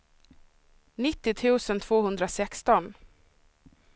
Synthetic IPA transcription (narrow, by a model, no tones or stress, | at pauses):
nɪt̪ːɪt̪ʰʉ̟ːsənt̪ʰv̥oːhɵnd̪ɾasɛkst̪ɔn